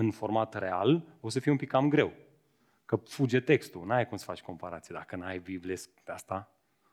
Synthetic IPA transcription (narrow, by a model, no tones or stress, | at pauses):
ɨnfo̞rmat̪realo̞s̬əfieumpikːamɡɾe̞w | kəfud͡ʒet̪e̞kst̪unajkumsə̥fat͡ʃʲko̞mpaɾat̪sied̪akənajbiblespeast̪a